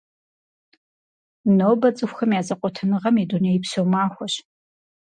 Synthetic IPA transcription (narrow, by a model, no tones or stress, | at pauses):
nowbɐt͡sʼɨxʷxɐmjaːzɐqʷʼɔtʰɐnɨʁɐmidunɐjɪpsowmaːxʷɔɕ